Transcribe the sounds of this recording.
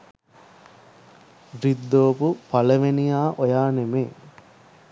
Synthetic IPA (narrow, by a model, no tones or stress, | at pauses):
ɾid̪ːoːpupɐləʋenijaːʔojaːnemeː